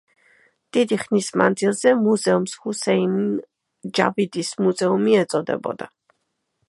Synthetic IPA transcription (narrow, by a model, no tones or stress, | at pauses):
d̪̥id̪iχnismand̪zilˠzɛmuzɛumshusɛin | d͡ʒa̰vid̪ismuzɛumiɛt̪sʼɔd̪ɛ̰bɔ̰d̪a